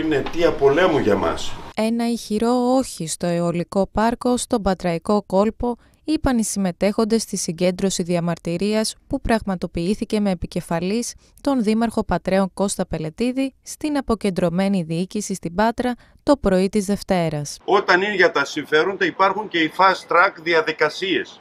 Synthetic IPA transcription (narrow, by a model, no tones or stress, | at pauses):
inet̪iɐpo̞lemuʝɐmɐ̰se̞nɐiçiɾo̞o̞çist̪o̞eoliko̞pɐɾko̞st̪o̞bɐt̪ɾɐiko̞ko̞lpo̞ | ipɐnisime̞t̪e̞xo̞nd̪e̞st̪isiɲɟe̞nd̪ɾo̞siðiɐmɐɾt̪iɾiɐspupɾɐɣmɐt̪o̞piiθice̞me̞ːpice̞fɐlis | t̪o̞nðimɐɾxo̞pɐt̪ɾe̞o̞ŋko̞st̪ɐpe̞le̞t̪iðist̪inɐpo̞ce̞nd̪ɾo̞me̞niðiicisist̪ibɐt̪ɾɐ | t̪o̞pɾo̞it̪izðe̞ft̪e̞ɾɐso̞t̪ɐniʝɐt̪ɐsiɱfe̞ɾond̪eipɐɾxuɲce̞ifɐst̪ɾɐkðiɐðikɐsie̞s